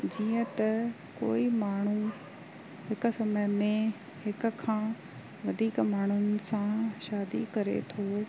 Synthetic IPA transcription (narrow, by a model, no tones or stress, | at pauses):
d͡ʑiːə̃t̪ɐ | koːimaːɳ̤u | ɦɪkʊ̆sɐməmẽ | hɪkʊ̆kʰãː | ʋɐd̪ʱiːkmaːɳ̤ʊnɪ̆sãʃaːd̪ikɐɾḛt̪ʰoː